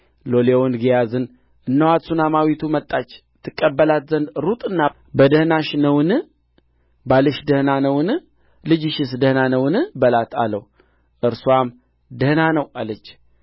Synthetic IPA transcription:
lolewɔnɡijazɨn | ʔɨnːəwat̪sunamawit̪ʰumət̪ʼːat͡ʃː | t̪ʰːɨkʼːəbːəlat̪zənd̪ɾut̪ʼɨnːa | bəd̪əhnaʃnəwɨnɨ | balɨʃd̪əhnanəwɨnɨ | lɨd͡ʒɪʃɪs̬d̪əhnanəwɨnɨbəlat̪ʰa̰ləw | ʔɨɾsuam | d̪əhnanəwalət͡ʃː

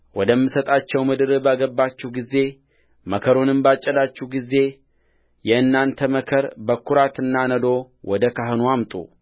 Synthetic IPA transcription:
wɔd̪əmːɨsət̪ʼat͡ʃːɛwmɨd̪ɨɾɨbaɡəbːat͡ʃːuɡizːe̞ | məkʰəɾunɨmbat͡ʃʼːəd̪at͡ʃːuɡizːe̞ | jɛɨnːant̪ʰəməkʰəɾbəkʰːuɾat̪ɨnːanəd̪o̞ | wɔd̪əkʰaɦɨnuamt̪ʼṵ

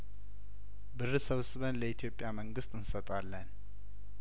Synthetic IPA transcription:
bɨrɨsəβsɨβənləit̪ʰjo̞pʼjaməŋɡɨst̪ʼɨnsət̪ʼalːən

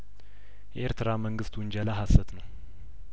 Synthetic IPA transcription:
jɛʔeɾt̪ʰɨɾaməŋɡɨst̪wʊnɲd͡ʒalaɦasːət̪nəw

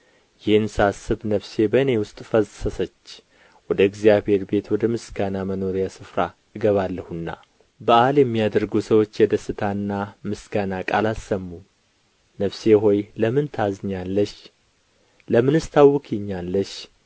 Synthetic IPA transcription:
jɪhnsasːɨβnəfse̞bəɨne̞wʊst̪ʼfəəsət͡ʃː | wɔd̪əɨɡzijabhe̞ɾbe̞t̪wɔd̪əmɨsɡanaməno̞ɾijasɨfɾa | ɨɡəβalːəhunːa̰ | bəʔaljɛmːijad̪əɾɡusəwo̞t͡ʃːjɛd̪əsɨt̪ʰanːamɨsɡanakʼalasːəmːu | nəfse̞ɦo̞jləmɨnt̪ʰazɨɲːalːəʃ | ləmɨnɨst̪ʰawːɨkʰiɲːalːəʃ

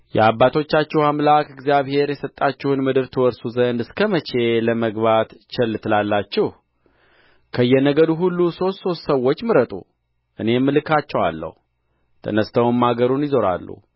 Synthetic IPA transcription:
jɛabːat̪ʰo̞t͡ʃːat͡ʃːɛhamlakɨɡzijaβhe̞ɾjɛsət̪ʼːat͡ʃːɪhunmɨd̪ɨɾt̪ʰɨwɔɾsuzənd̪ɨskʰəmət͡ʃe̞ləməɡbat̪t͡ʃɛlːt̪ʰɨlalːat͡ʃːɪh | kʰəɨjːɛnəɡəd̪uɦulːuso̞st̪so̞st̪səwːot͡ʃːmɨɾət̪ʼṵ | ʔɨne̞mːɨlɨkʰat͡ʃːɛwa̰lːə̰hu | t̪ʰə̰nəst̪ʰəwummːaɡəɾunjɪzo̞ɾa̰lːṵ

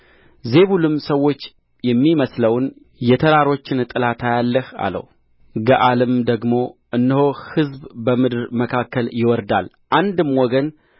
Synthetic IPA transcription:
ze̞βulɨmsəwːo̞t͡ʃː | jɛmːiməsləwn | jɛt̪ʰəɾaɾo̞t͡ʃːɪnt̪ʼɨlat̪ʰajalːəha̰lə̰w | ɡəʔalɨmd̪əɡmo̞ʔɨnːɨhohɨzbbəmɨd̪ɨɾməkʰakːəljɪwɔɾd̪a̰l | ʔand̪ɨmwɔɡən

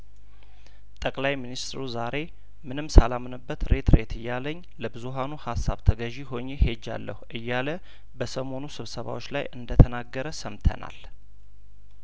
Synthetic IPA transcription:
t̪ʼəkʼlajminist̪ɾuzaɾe̞ | mɨnɨmsalamɨnɨbːət̪ɾe̞t̪ɾe̞t̪ʰɨjːaləɲːləbɨzuɦanuhasːa̰βt̪ʰəɡəʒiho̞ɲːehe̞d͡ʒːa̰lːə̰huʔɨjːalə | bəsəmo̞nusɨβsəβa̰wo̞t͡ʃːla̰jʔɨnd̪ət̪ʰənaɡːəɾəsəmt̪ʰə̰na̰l

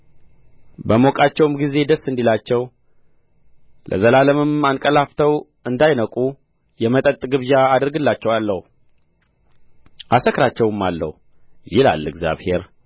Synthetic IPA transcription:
bəmo̞kʼat͡ʃːɛwmɡize̞d̪əsːɨnd̪ilat͡ʃːɛw | lʔə̰zəlaləmɨmankʼəlaft̪ʰəw | ɨnd̪ajnəkʼu | jɛmət̪ʼət̪ʼɡɨβjaːd̪ɨɾɡɨlːat͡ʃːɛwalːəhu | ʔasəkɾat͡ʃːɛwɨmːalːə̰hu | jɪla̰lːɨɡza̰βhe̞ɾ

